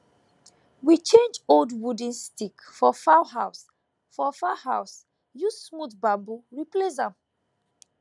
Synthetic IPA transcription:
wit͡ʃẽnd͡ʒoldwudĩnstikfɔfaɦaʊs | fɔfahaʊs | jusmuθbabuɹiples̬ãm

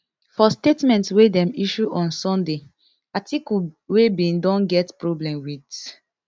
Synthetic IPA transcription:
fɔstetmɛ̃ntswedɛ̃miʃuʔɔ̃nsɔ̃nde | atʰikuwebĩndɔ̃nɡɛtpɹɔblɛ̃mwit

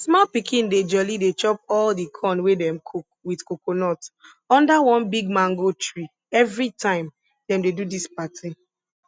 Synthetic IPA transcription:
smɔlpikʰĩnded͡ʒɔlidet͡ʃɔp̚ɔldikʰɔ̃nwedɛ̃mkʰ | widkokonɔt | ɔ̃ndawɔ̃nbiɡ̚mãŋɡotɹi | ɛvɹitʰãɪ̃m | dɛ̃mdedudispatʰi

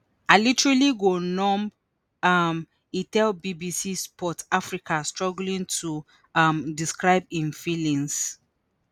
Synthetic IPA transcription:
alitɹaliɡonɔ̃m | am | itɛlbibisispʰɔtafɹikʰastɹɔɡlĩntʰu | amdiskɹaɪbĩnfilĩŋs

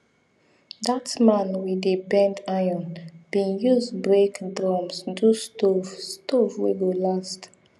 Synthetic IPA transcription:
datmãnwidebɛ̃ndajɔ̃nb̥ĩnjuzbɹekdɹɔmsdustovstovwiɡolast

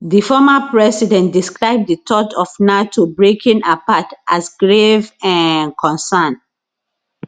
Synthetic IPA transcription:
ðifɔmapɹɛsidɛ̃ntdiskɹaɪb̚ditʰɔtɔfnatʰobɹekʰĩnapatʔasɡɹevãnkʰɔ̃nsãn

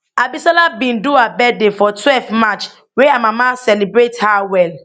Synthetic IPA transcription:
abisalabĩnduabɛdefɔtʰwɛlfmat͡ʃ | weamãmãsɛlibɾethawɛl

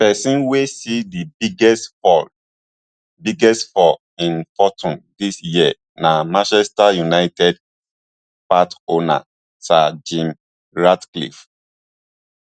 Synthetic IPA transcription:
pɛsĩnwesidibiɡɛsfɔ | biɡɛstfɔ | ĩnfɔtʰɔ̃ndisjiə | namãʃɛstajunaɪtɛd | patona̰ | sad͡ʒĩm | ɹatklḭf

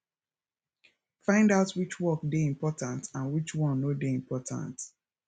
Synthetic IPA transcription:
fãɪ̃ndaʊtwit͡ʃwɔk̚deĩmpɔtãntãnwit͡ʃwɔ̃nːodeĩmpɔtʰã̰nt

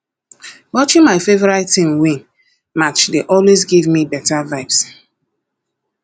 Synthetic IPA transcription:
wɔt͡ʃɪ̃ŋmaɪfevɔɹaɪtĩmwĩn | mat͡ʃdeʔɔlwezɡivmibɛtavaɪps

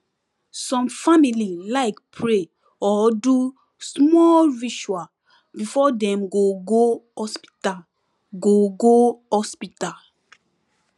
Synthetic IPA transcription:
sɔ̃mfamililaɪkpʰɹe | ɔdu | smɔlɹiʃua | bifɔdɛ̃mɡoɡohɔspi̥ta | ɡoɡohɔspita

